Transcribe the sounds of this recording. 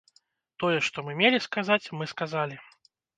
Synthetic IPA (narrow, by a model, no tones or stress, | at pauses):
t̪ɔjɛʂt̪ɔmɨmʲelʲiskazat͡sʲmɨskazalʲi